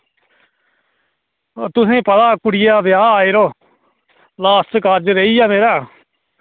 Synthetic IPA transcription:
t̪ʊsẽːpət̪aːkʊɽɪjaːʋɪjaːaːeːɾoː | laːst̪kaːɾd͡ʒɾeːiːjaːmeːɾaː

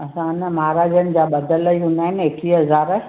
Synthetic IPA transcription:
ɐsãnəmaɦɾaːd͡ʑənɪ̆d͡ʑaːɓɐd̪ʱələiʊ̃naːɦɪneːkiɦɐzaːɾ

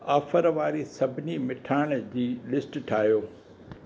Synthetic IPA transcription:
aːfəɾʋaːɾisɐbʱɪnimɪʈʰaːɪɽ̃d͡ʑiːlɪsʈʈʰaːɦjoː

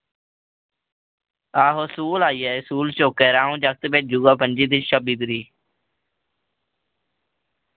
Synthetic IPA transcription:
aːɦoːsuːlaːiːɛːsuːlt͡ʃoːkeːɾãːũːd͡ʒək̚t̪beːd͡ʒuːɡaːpənʲd͡ʒiːd̪iʃəbiːd̪ɾiː

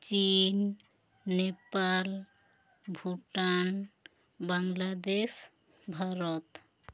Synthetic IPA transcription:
t͡ʃinː | epal | bʱuʈan | baŋlad̪es | bʱaɾɔt̪

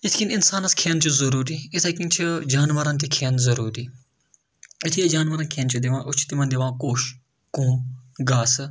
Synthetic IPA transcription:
ɪt̪ʰkinɪnsaːnɐskʰeːnt͡ʃʰuzɐɾuːɾiɪt̪ʰɐkĩnt͡ʃʰid͡ʒaːnʋɐɾɐnt̪ʰikʰeːnzɐɾuːɾiː | ɪt̪ʰijed͡ʒaːnʋɐɾɐnkʰeːnt͡ʃʰud̪iʋãːʔʊt͡ʃʰi̥t̪imɐnd̪ɪʋãːkoːʃ | kõːɡaːsɨ

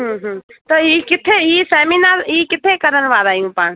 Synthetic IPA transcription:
ɦɦt̪ɔikɪt̪ʰːeiseminaɾikɪt̪ʰekəɾənʋaɾajũpan

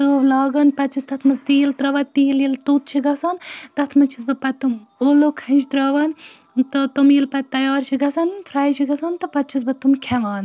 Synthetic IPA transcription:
t̪uːʋlaːɡɐnpɐt͡ʃʰist̪ɐt̪ʰmɐst̪iːlt̪ɾɐʋɐt̪t̪iːljilt̪ut̪̚t͡ʃʰiɡɐsɐnt̪ɐt̪ʰmɐt͡ʃʰis̬bɨpɐt̪ːɨmoːlokʰɐnt͡ʃʰt̪ɾɐʋɐn | t̪ɨt̪umilpɐt̪ɐjɑːɾt͡ʃʰiɡɐsɐnt̪ʰɾaːjt͡ʃʰiɡɐsɐːnt̪ɨpɐt͡ʃʰis̬bɨt̪umkʰɛlaːn

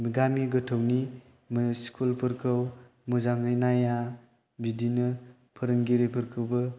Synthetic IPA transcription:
ɡamiɡɯtʰɯwni | mskʰulpʰɯɾkʰɯw | muzaŋɯjnaja | bidinɯ | pʰɯɾɯŋɡiɾepʰɯɾkʰɯwbɯ

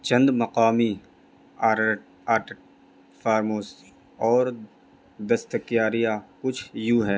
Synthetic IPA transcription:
t͡ʃɐ̃nd̪mɐqaːmi | aː | aːʈ | fʰaːɾmoːsi | ɔːɾ | d̪ɐst̪əkjaːɾijakʊt͡ʃʰjuːɦɛː

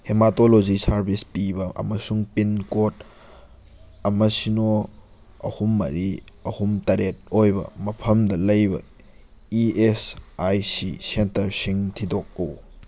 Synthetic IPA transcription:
hematolod͡ʒisaɾbʱispibɐʔɐ̰mɐsuŋpinkot | ɐmɐsino | ɐ̰humːɐ̰ɾiɐhumtɐɾet̚ojbɐ̰mɐpʰɐmdɐlɐjbɐ̰ | iesajsisentɐɾsiŋtʰidok̚ɐw

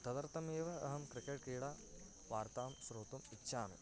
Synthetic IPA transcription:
t̪ʰɐd̪ɐɾt̪ɐmeːʋɐɐɦɐmkɾikeʈkiːɽaː | ʋaːɾt̪aːmsɾoːt̪umitːʃʰaːn̰

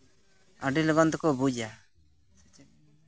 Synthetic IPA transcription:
aɖilɔɡɔnt̪ɔkɔbud͡ʒa

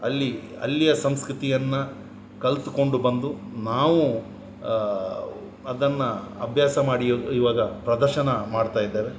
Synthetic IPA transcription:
ɐlːi | ɐ̰lːijɐsɐmskɾut̪ijɐnːɐ | kɐlt̪u̥ko̞ɳɖubɐnd̪unaːʋu | ɐd̪ɐnːɐɐbʱjaːsɐmaːɽijoːd̪uiːʋaːɡɐpɾɐd̪ɐɾʃɐnɐmaːɖt̪aːjid̪ːeːʋe

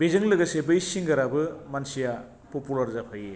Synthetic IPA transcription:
bezɯŋlɯɡɐsebɯjsiŋɡɐɾabɯmansija | populɐɾzapʰaje

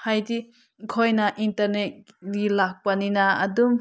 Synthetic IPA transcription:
hajdi | kʰojnaʔintɐɾnet̚ | dilak̚paninaɐdum

